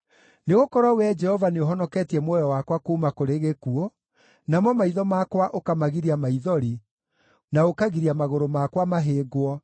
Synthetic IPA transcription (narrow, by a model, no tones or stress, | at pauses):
neɣokɔɾwawɛd͡ʒɛhɔvaneoɦɔnɔkɛtiɛmwɛjɔwakwakoumakoɾeɣekuɔ | namɔmaiðɔmakwaʔokamaɣiɾiamaiðɔɾi | naokaɣiɾiamaɣoɾomakwamaɦeːɡwɔ